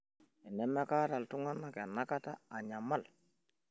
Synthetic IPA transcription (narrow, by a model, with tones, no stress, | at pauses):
ɛ˨nɛmɛ˦kaɾa˨ltu˦ŋa˦na˨ke˨na˦kataa˨ɲa˨ma˦l